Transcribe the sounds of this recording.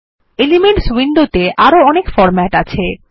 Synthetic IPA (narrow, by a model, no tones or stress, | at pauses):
elimeɳʈswind̪ot̪eʔaɾoɔnekfɔɾmɛʈat͡ɕʰe